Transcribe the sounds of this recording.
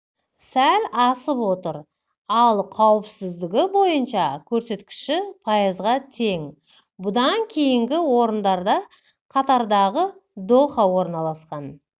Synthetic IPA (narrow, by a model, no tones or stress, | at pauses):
sælʲɑsəpwo̞t̪əɾ | ɑlˠqʰɑwɪpsɪzd̪ɪɡʲɪbo̞jənʃɑkʲʰɵɾse̞t̪kʲɪ̥ʃɪpʰɑjəzʁɑt̪ʰe̞ŋ | bʊd̪ɑŋkʲʰe̞jɪŋɡʲɪwo̞ɾənd̪ɑɾd̪ɑ | qʰɑt̪ɑɾd̪ɑʁəd̪o̞χɑwo̞ɾnɑlˠɑsqɑn